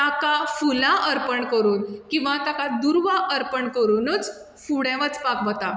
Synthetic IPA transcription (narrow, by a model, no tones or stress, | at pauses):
t̪akafulaʔəɾpəɳkəɾuːnkĩw̃ʋat̪akad̪uɾʋaʔəɾpəɳkəɾuːnət͡s | fuɽɛ̃ʋət͡spakʋət̪a